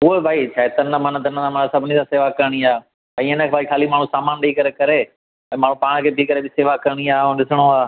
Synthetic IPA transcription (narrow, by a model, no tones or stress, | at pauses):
ʊɦobʱaːit͡ʃʰaːɦet̪ɐnəmənət̪ɐnət̪ãmɐnəsɐbʱɪnĩsãːseːʋakɐɾɽ̃iaː | aĩɪnəkʰːbʱaːikʰaːlimaːɳ̤ũsaːmaːnɗɐikɐɾekɐɾe | ɛ̃ːmaːɳ̤ũpaːɽ̃kʰeːbʱikɐɾebɪseːʋakɐɾɽ̃iaːõːɗɪsəɽ̃oaː